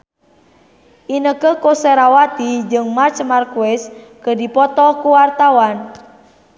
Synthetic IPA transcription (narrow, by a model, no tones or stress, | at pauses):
ʔinəkəkoseɾawat̪id͡ʒɨŋmart͡ʃmarkuɛskədipɔt̪ɔkuwart̪awan